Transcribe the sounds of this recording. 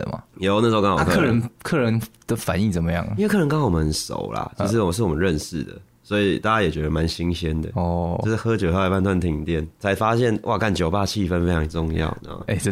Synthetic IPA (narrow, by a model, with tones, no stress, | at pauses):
ə̰˩ma̰˨˩jo˧˥ʊna˥˩ʂo˧˥ʊkɑ˥ŋwɔ˨a˥˧kʰkʰə˧˦nkʰɤ˥˩ɻə˧˦nd̪̥ə˧fa˨˦ni˥˩t͡sə˨˩nmə˦jɑ̰˥˩ŋ˦˥wkʰɤ˥˩ə˦nkɑ˥ŋwɔ˨˩mə˧˦ʂo̰˨˩ʊla̰˨t͡ɕʰi˧˥ʂ̬ɻ̩˥˩wɔ˨ʂɻ̩˥˩wɔ˨mə˦nɻə˥˧nʂɻ̩˥˩d̪ə̰˩ | swɔ˧˥i˨˩t̪a˥˩t͡ɕa˦˥jɛ˨˩t͡ɕɥɛ˧˥d̪ə˧ma˧˦nɕi˧˦ŋɕjɛ˦nd̪ə̰˨ɔ˥˩˥ʂ̩˥˩xɤ˥t͡ɕjo˨˩xpʰa˥˧nt̪wa˥˧nt̪ʰi˨˩ŋt̪jɛ˥˩nt͡sʰa˧˥ɪfa˦ɕjɛ˥˨˩nwʔa˥˨ka˥˩nt͡ɕjo˨˩ʊpa˥˧t͡ɕʰi˥˧˨fə˦nfe˥ɪt͡ɕʰɑ˧˥ŋə˨˩ʈ͡ʂʊ˥˧ŋjɑ̰˥˩ʊna̰˦˥˦e˧˩˥